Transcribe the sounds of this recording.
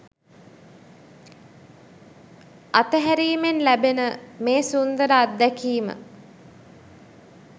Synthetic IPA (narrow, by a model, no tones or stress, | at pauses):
at̪əɦæɾiːmenlæbenəmeːsund̪əɾəad̪ːækiːmə̰